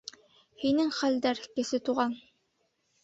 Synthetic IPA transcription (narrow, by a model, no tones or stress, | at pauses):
hinɘŋχæld̪æɾkɘ̆sɘt̪uʁɑn